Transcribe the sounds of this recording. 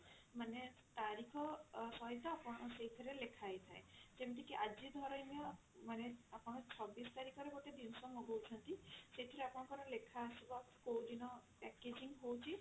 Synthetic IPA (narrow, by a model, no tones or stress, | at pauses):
mane | t̪aɾikʰɔsɔɦit̪ɔapɔɽ̃ɔseɦit̪ʰɔɾelekʰajt̪ʰaed͡ʒebiʈ̪ikiʔad͡ʒid̪ʱɔɾɔmijɔ | maneapɔɽ̃t͡ʃʰɔbist̪aɾikʰɔɾeɡoʈed̪insɔmɔɡowt͡ʃʰɔnt̪iseit̪ʰɔɾeapɔɽ̃ɔ̃kɔɾɔlekʰasibɔ | kowɖinɔpɛked͡ʒiŋɡɦowt͡ʃʰi